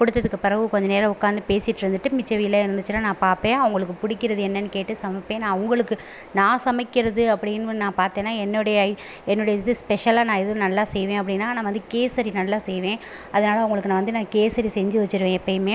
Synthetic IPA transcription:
kʊɽɯt̪ːɐðɯkːɯpːɪɾɐʋɯkɔɲd͡ʒɐneːɾɐ̃ʊkːaːnd̪ɯpeːsɪʈːɪɾɯnd̪ɯʈːɯmɪt͡ʃːɐʋɪjɪlːaːɪɾɯnd̪ɯt͡ʃːɯnːaːnãːpaːɾpẽːɐʋʊŋɡɐɭɯkːɯpʊɽɪkːɪɾɐðɯɛnːɐnːɯkeːʈːɯsɐmɐpːẽːnãːɐʋʊŋɡɐɭɯkːɯ | nãːsɐmɐkːɪɾɐðɯɐpːɐɽɪnːnãːpaːɾt̪ẽːnːaːɛnːʊɽɐjɐ | ɛnːʊɽɐjɐðɯspɛʂɐlaːnãːɛðɐʋʊ̃nɐlːaːsɛjʋẽːɐpːɐɽɪnːaːnaːʋɐnd̪ɯkeːsɐɾinɐlːaːsɛjʋẽː | ɐðɐnaːlɐʋʊŋɡɐɭɯkːnãːʋɐnd̪ɯnãːkeːsɐɾisɛɲd͡ʒɯʋɐt͡ʃːɯɾɯʋẽːɛpːɐjɯmeː

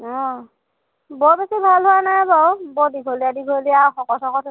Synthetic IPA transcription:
ɔ̃ | bɔɹbesibʱalɦʊanajbɔwbɔdiɡʱolijadiɡʱolijawxɔkɔsɔkɔtʰ

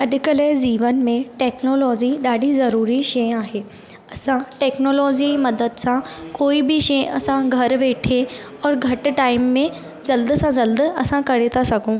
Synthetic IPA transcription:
ɐɗkələziːʋənmẽʈeːknoːlɔːd͡ʑiɗaːɖʱizɐɾuːɾiʃɐjaːɦeː | ɐsãʈɛːknoːlɔːd͡ʑimɐd̪əd̪sãkoːibʱiʃɐjɐsãɡʱɐɾʋeːʈʰe | ɔːɾɡʱɐʈ̆ʈaːɪmːẽ | d͡ʑɐld̪sãd͡ʑɐld̪ɐsãkɐɾet̪ʰasɐɡʱõː

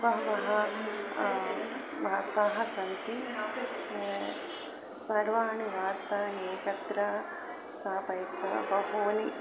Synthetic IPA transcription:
ʋɐɦɐʋɐɦɐ | ʋaːt̪aːɦɐsɐnt̪i | sɐɾʋaːɳiʋaːɾt̪aːɳeːkɐt̪ɾɐ | saːpɐjt̪ɐ̰bɐɦoːni

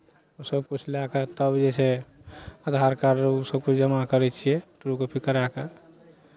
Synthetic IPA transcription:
usəbkut͡ʃʰlaket̪əbd͡ʒɛse | əd̪ʱɦaɾkaɾosəb̚kut͡ʃʰd͡ʒəmakəɾɛt͡ʃʰijɛʈɾukopʰikəɾake

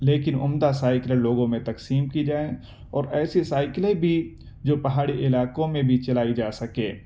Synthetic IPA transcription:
leːkɪnʊmd̪asaːɪkleloːɡõmẽt̪ɐksiːmkid͡ʒaːẽ | ɔːɾɛːsesaːɪklebʱi | d͡ʒoːpɐɦaːɽiʔɪlaːkõmẽbʱit͡ʃɐlaːid͡ʒaːsɐkẽː

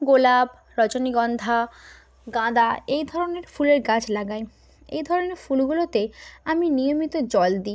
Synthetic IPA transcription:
ɡolab | ɾɔd͡ʑoniɡɔnd̪ʱa | ɡãd̪aejd̪ʱɔɾoneɾfuleɾɡãt͡ɕʰlaɡae | ḛjd̪ʱɔɾoneɾfulɡulot̪eaminijomit̪od͡ʑɔld̪i

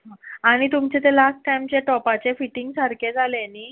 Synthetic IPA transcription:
ɦãaɽ̃it̪umt͡ɕet̪elasʈʈajmt͡ɕeʈɔpat͡ɕefiʈiŋɡsaɾkʰed͡zʱaleniː

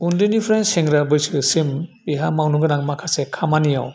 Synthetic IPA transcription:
undɯnipʰɾenseŋɡɾabɯjsɯsim | iɦamawnuɡɯnaŋmakʰasekʰamanija̰w

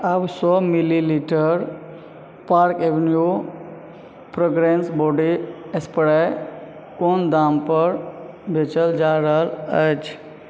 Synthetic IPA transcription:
absɔmililiʈəɾ | paɾkeʋenju | pɾoɡɾensboɖiespəɽa | kond̪ampəɾ | bʱet͡ʃəld͡ʒaɾaləd͡ʒ

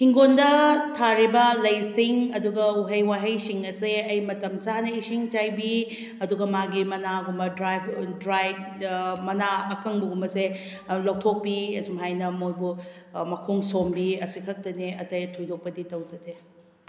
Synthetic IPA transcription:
hiŋɡondɐtʰaɾibɐlɐjsiŋɐduɡɐuɦɐjwaɦɐjsiŋɐseɐjmɐtɐmt͡ʃaɦnɐisiŋt͡ʃajbi | ɐduɡɐmaɡimɐnaɡumbɐdɾajbdɾajbmɐnaɐkʰɐŋbuɡumɐse | lok̚tʰok̚piɐ̰d͡ʒumɦajnɐmojbumɐkʰoŋsombiɐsikʰɐk̚tɐneɐtɐjtʰojdok̚pɐditɐwd͡ʒɐde

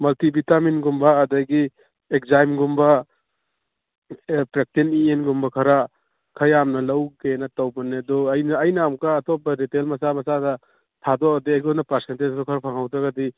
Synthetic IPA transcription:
mɐltibitaminɡumbɐːdɐɡi | ek̚zajmɡumbɐ | pɾek̚tenienɡumbɐkʰɐɾa | kʰɐjamnɐlɐwɡenɐtɐwbɐnedɔɐjnɐɐjnaːmkaːtɔp̚ɐdetelmɐsamɐsadɐ | tʰadɔadeajɡɔnɐpɐɾsentezkɔkʰɐɾpʰaŋɦawtɾaɡadi

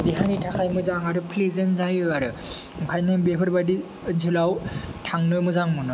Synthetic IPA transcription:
diɦanitʰakʰajmɯzaŋaɾɯpʰlizɯnzajɯaɾɯɯŋkʰajnɯbepʰɯɾbadi | ɯnsʰɯlawtʰaŋnɯmɯzaŋmɯnɯ

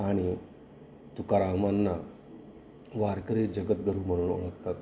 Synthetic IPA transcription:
aɽ̃i | t̪ukaɾamanːa | ʋaɾkəɾed͡ʑəɡət̪̚ɡʱəɾuːm̤əɽ̃uːno̰ɭəkt̪at̪

